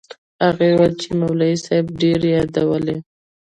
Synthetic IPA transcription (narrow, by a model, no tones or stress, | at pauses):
aɣewat͡ʃemawlaisajb̚ɖeɾejɑd̪awəle